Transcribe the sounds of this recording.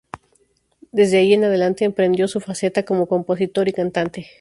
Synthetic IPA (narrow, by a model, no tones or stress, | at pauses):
d̪e̞zðe̞aʝie̞naðe̞lant̪e̞ːmpɾe̞nd̪jo̞sufase̞t̪ako̞mo̞ko̞mpo̞sit̪o̞ɾikant̪ant̪e